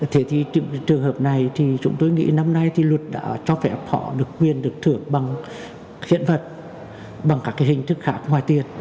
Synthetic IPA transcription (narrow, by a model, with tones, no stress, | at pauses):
t̪ʰe˨˦t̪ʰi˨˩t͡ɕt͡ɕɨ˨˩əŋɦəː˨˩p̚na˨˩jt̪ʰi˨˩t͡ɕʊ̰˨˦ŋ͡mt̪o˧jŋḭ˧˥na˧mna˧jt̪ʰi˨˩lwə˨˩t̚ɗa̰ː˧˥t͡ɕɔ˧fɛ˧˩phɔ̰˧˩ɗɨ˨˩əkːwi˨˩ənɗɨ˨˩ək̚t̪ʰɨ˧˩əŋɓa˨˩ŋ | hḭ˧˥ənvə˨˩t̚ | ɓa˨˩ŋkaː˦˥kːaː˨˦jhï˨˩ŋ̟t̪ʰɨ˦˥k̚xaː˦˥kŋwaː˨˩jt̪i˧ən